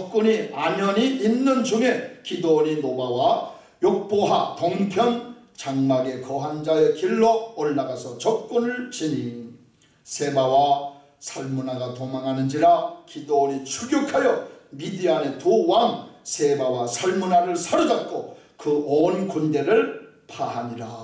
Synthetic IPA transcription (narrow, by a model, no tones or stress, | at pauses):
ʌp̚k͈uɲiaɲʌɲiinːɯnd͡ʑuŋe̞kidoɲinobawa | jok̚p͈oɦatoŋpʰjʌn | t͡ɕaŋmaɡe̞kʌɦand͡ʑae̞kiɭːoːɭːaɡasʰʌt͡ɕʌp̚k͈unɯɭt͡ɕini | sʰe̞bawa | sʰaɭmunaɡatomaŋɦanɯnd͡ʑiɾakidoɾit͡ɕʰuɡjokʰajʌmidiane̞tuwaŋsʰe̞bawasʰaɭmunaɾɯɭsʰaɾɯd͡ʑat̚k͈o | kɯonkunde̞ɾɯɭ | pʰaɦaɲiɾa